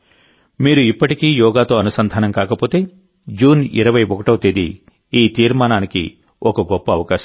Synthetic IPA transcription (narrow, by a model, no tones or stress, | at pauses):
miːɾuipːɐʈikiːjɔːɡaːt̪o̞ːɐnusɐnd̪ʱaːnɐmkaːkɐpo̞ːt̪e̞ː | d͡ʒuːnḭɾɐʋɐjbokɐʈɐwt̪eːd̪i | iːt̪iːɾmaːnaːnikḭ | ɔkɐɡɔpːɐːʋɐkaːʃɐ